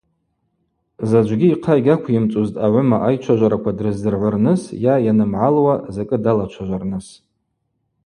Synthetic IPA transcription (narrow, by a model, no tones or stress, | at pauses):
zad͡ʒʷɡʲiːqʰajɡʲakʷʰɪmt͡sʼuztʼaʕʷʊmaʔajt͡ʃʷʰaʒʷaɾakʷʰadrɨzdɨrʕʷʊrnɨsjajanɨmʕalwazakʼɨdalat͡ʃʷʰaʒʷarnɨs